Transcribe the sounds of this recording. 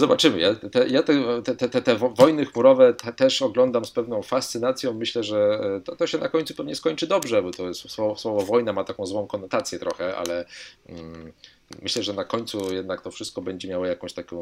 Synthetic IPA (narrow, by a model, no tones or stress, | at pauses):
zɔbat͡ʂɘmɘjat̪t̪ɛjat̪ɛt̪ɛt̪ɛt̪ɛt̪ɛvvɔjnɘxmuɾɔvɛt̪t̪ɛʂɔɡlɔnd̪amspɛvnɔ̃w̃fast̪sɘnat̪sʲjɔ̃w̃mɘɕlɛʐɛt̪ɔt̪ɔɕɛnakɔɲʲtsupɛvɲɛskɔɲt͡ʂɘd̪ɔbʐɛbɔt̪ɔsswɔvswɔvɔvɔjnamat̪akɔ̃w̃zwɔ̃w̃kɔnɔt̪at̪sʲjɛt̪ɾɔxɛʔa̰lɛ | mɘɕlɛʐɛnakɔɲʲt̪sujɛd̪̚nakt̪ɔfʂɘst̪̚kɔbɛɲd͡ʑɛmʲjawɔjakɔ̃w̃ɕt̪akʲɔ̃w̃